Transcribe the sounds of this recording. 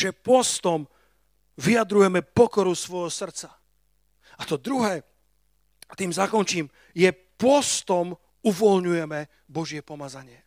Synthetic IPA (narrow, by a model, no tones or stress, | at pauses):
ʒɛpʊɔst̪ɔm | ʋijad̪ɾujɛmɛpɔkɔɾusʋɔjɦɔsr̩tt͡sa | at̪ɔd̪ɾuɦɛː | t̪iːmzakɔnt͡ʃiːm | jɛ | pɔst̪ɔm | uʋɔlɲujɛmɛ | bɔʒɪɛpɔmazaɲɪɛ